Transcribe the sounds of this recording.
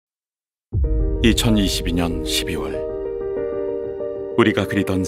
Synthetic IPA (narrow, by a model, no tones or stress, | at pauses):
it͡ɕʰʌniɕʰibiɲʌnɕʰibiwʌɭ | uɾiɡakɯɾidʌn